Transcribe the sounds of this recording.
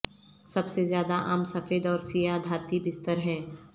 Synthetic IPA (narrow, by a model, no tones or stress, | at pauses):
sɐbsezjaːd̪aʔa̰ːmsɐfeːd̪ɔːɾsijad̪ʱaːt̪ibɪst̪əɾɦɛ̃ː